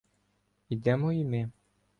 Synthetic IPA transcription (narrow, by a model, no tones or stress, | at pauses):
id̪ɛmɔimɪ